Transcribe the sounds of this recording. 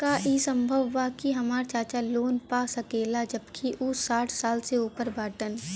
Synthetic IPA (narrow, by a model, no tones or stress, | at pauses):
kaʔiːsə̃mbʱəʋːakiɦɐmaːɾt͡ʃaːt͡ʃaloːnpaːsɐkeːlad͡ʒəbkʰiʔʊsaːʈʰsaːlseuːpəɾbʱaːʈən